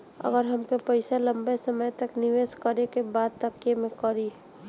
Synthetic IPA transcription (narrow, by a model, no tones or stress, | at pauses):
ə̰ɡəɾɦəmkepəɪsalə̃mbesəməjt̪əknɪʋeːskəɾekebaːd̪̚t̪əkjemẽkəɾi